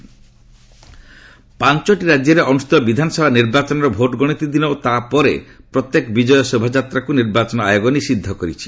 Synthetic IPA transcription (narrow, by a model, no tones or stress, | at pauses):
pant͡ʃɔʈiɾad͡ʒjɔɾeʔɔnust̪ɔbid̪ʱanɔsɔbʱaniɾbat͡ʃɔnɔɾɔbʱoʈɡɔɽ̃it̪id̪inɔot̪apɔɾepɾɔt̪jekɔbid͡ʒɔjɔsebʱad͡ʒat̪ɾakuniɾbat͡ʃɔnɔa̰joɡɔnisid̪ʱːɔkɔɾit͡ʃʰi̥